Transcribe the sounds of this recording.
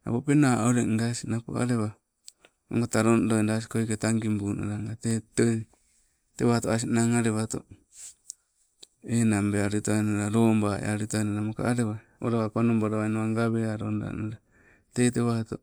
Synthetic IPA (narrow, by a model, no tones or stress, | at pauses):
a̰bopenaoɾeŋɡasinapo̰a̰ɾeβa | o̰ŋɡataɾondondas̬i̥koiketaŋɡimbunʔo̰ɾaŋɡateto | teβahtoas̬inaŋaɾeβato̰ | enambeaɾutanoɾaɾombaʔḛaɾutanaɾamoka̰ʔaɾeβa | oɾaβapanomboɾaβajnaβaŋɡaβeaɾonɾa̰noɾa | teteβahto